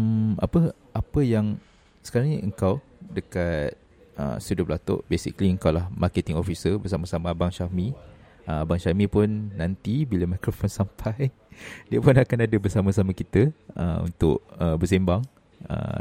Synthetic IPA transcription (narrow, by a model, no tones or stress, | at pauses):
ʔa̰pəʔapəjaŋ | sə̥kaɾaŋɲiʔəŋkaw | dəkat̪̚ | ə̰sudʊblat̪ʊ̰ʔbesḭkəliəŋkawlahmarket̪iŋofisəbərsamasamabaŋʃami | əbaŋʃamĩpʊnːãnt̪ibiləmakɾofɔnsampʰaj | diəpʊnakanadəbəsamasamãkit̪əə̰ṵnt̪ʊ̰ʔ̚əbəsɛmbaŋ | ə̰